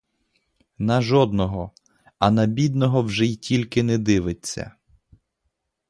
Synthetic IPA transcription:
nɐʒɔd̪nɔɦɔ | ɐnɐbʲid̪nɔɦɔwʒɛjtʲʰilʲkɪnɛd̪ɪʋɪt͡sʲːɐ̰

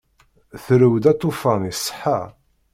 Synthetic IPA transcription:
θɾəwd̪æt̪ˤːofɑnisˤːə̥ħːa

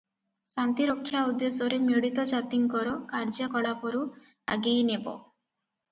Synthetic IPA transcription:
sant̪iɾokʰːjaud̪ːesɔɾemjoɽit̪ɔd͡ʒat̪iŋkɔɾɔkaɾd͡ʒakɔɽapɔɾu | a̰ɡejnebɔ̰

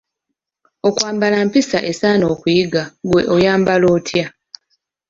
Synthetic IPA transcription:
okwaːmbalampisaʔe̞saːno̞ːkujiɡaɡwe̞ʔojaːmbalo̞ːtʰja

